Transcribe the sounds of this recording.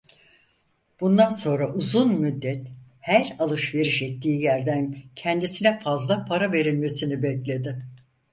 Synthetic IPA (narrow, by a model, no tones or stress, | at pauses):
b̥und̪anso̞nɾaʔuzunmyd̪ːɛt̪ | hæɾalˠɯʃve̞ɾiʃɛc̚t̪ʰiːjæɾd̪æncʰɛnd̪isinɛfazlˠapʰaɾave̞ɾilʲme̞sinibɛclʲe̞d̪ɪ